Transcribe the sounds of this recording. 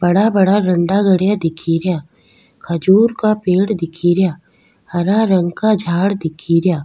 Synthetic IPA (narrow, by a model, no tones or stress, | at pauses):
bɐɽabɐɽaɾɐ̃ɳɖaɡəɽjad̪ɪkʰiɾjaː | kʰəd͡ʒuːɾkapeːɽd̪ɪkʰiːɾjaː | hɐɾaɾə̃ŋɡkad͡ʒʱaːɽd̪ɪkʰiːɾjaː